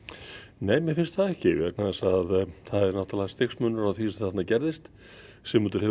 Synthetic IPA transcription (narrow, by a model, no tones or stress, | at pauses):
neːjmjɛɾfɪnst̪θaðɛhcɪvɛknaðɛsaðθaðɛɾnawht̪alaːast̪exsmœnːʏɾaθisɛmθat̪nacɛɾðɪst̪ | sɛmʏnt̪̬ʏɾ̥hɛ